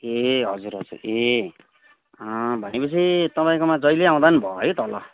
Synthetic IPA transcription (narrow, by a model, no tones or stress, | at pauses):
eɦʌd͡zuɾɦʌd͡zṵre | ʌbʱʌnepʌt͡sʰit̪ʌpãĩkomãd͡zʌjleãw̃d̪anbʱʌɦʌjt̪ʌlʌ̰